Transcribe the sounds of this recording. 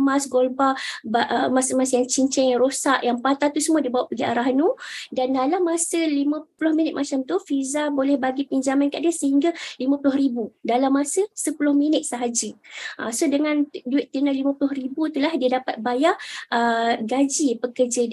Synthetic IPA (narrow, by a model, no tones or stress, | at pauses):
mãsɡolbabaʔəmasəmasjaŋt͡ʃiɲt͡ʃɛŋjaŋɾosaʔjaŋpat̪at̪usəmuadibawaʔpaɡia̰ɾaɦnudandalamːasəlimə̃pulʊhminɪt̪̚mat͡ʃamt̪ufizabolɛhbaɡipiɲd͡ʒamankaʔdasəhiŋɡalimãpulʊhɾibudalamːasəsəpulʊhminɪt̪̚səɦad͡ʒəʔasodəŋãnduɪt̪̚ːinalimãpulʊhɾibut̪ulahdiadapat̪̚bajaʔəɡad͡ʒipəkərd͡ʒa